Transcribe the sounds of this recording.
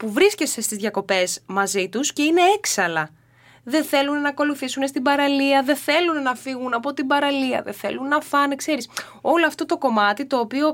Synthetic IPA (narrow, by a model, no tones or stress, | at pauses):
puvɾisce̞se̞st̪izðʝɐko̞pe̞zmɐzit̪usce̞ine̞eksɐlɐ | ðe̞θe̞lunnɐːko̞luθisunest̪ibɐɾɐliɐðe̞θe̞lunnɐfiɣunɐpo̞t̪ibɐɾɐliɐ̰ðe̞̰θe̞̰lunnɐfɐnekse̞ɾis | o̞loɐft̪o̞t̪o̞ko̞mɐt̪it̪o̞ːpio̞